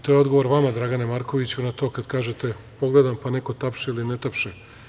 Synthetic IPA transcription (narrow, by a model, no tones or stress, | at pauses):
t̪o̞jeo̞d̪ɡoʋo̞ɾʋamad̪ɾaɡanemaɾko̞ʋit͡ɕunat̪o̞ːkad̪kaːʒe̞t̪e̞ | po̞ɡled̪ampane̞ko̞t̪apʃeilinet̪apʃe